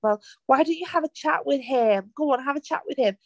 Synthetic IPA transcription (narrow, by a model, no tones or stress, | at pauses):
ɛlˠwaɪdɨt͡ʃɨəvət͡ʃʰa̰ʔwɪð̥ɪ̃mɡ̥oʊwɑ̃nəvət͡ʃʰa̰ʔwɨð̥ɪ̃m